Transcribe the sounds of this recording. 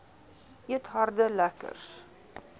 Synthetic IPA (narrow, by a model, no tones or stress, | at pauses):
ʔiətɦɑrdəlækə̰rs